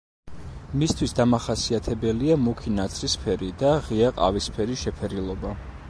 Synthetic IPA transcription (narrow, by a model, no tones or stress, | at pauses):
mist̪ʰwisd̪amaχasiat̪ʰɛbɛliamukʰinat̪sʰɾispʰɛɾid̪aʁiaqʼa̰vispʰɛɾiʃɛpʰɛɾilˠɔba